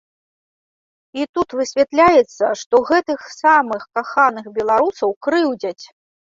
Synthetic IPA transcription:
it̪ut̪vɨsʲvʲɛt̪lʲajɛt̪sːɐʂt̪ɔɣɛt̪ɨxsamɨxkaxanɨxbʲɛlˠaɾusɐwkɾɨwd͡zʲɐt͡sʲ

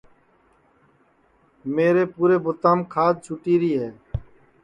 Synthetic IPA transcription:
meːɾeːpuːɾeːbʊt̪ãːmkʰaːd̪̚t͡ʃʰʊʈiːɾiːɦɛː

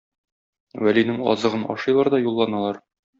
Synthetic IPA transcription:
wælinɘŋɒ̰zɤ̆ʁɤnɒ̰ʃɤjlˠɑɾd̪ɒjulˠːɑnɑlˠɑɾ

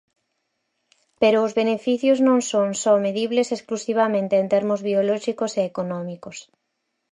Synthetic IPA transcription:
peɾʊʊzβenefiθjʊznõŋsõnsɔmeðiβlesesklusiβ̞amẽnt̪eːnt̪eɾmʊzβiolɔʃikoseːkonɔmikʊs

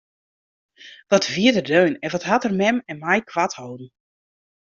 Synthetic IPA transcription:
ʋɔtʋiədədøːnɛnʋɔthatərmɛmɛnmajkʰʋathowdn̩

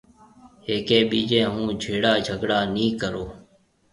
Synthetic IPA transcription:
ɦeːkẽːɓiːd͡ʒẽːɦũːd͡ʒʱeːɽaːd͡ʒʱəɡɽaːnĩːkəɾoː

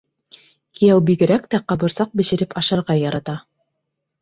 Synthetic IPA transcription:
kijæwbiɡɘ̆ɾækt̪æqɑβɤ̆ɾsɑq̚bɘ̆ɕɘ̆ɾɘpɑʃɑɾʁɑjɑɾɑt̪ɑ

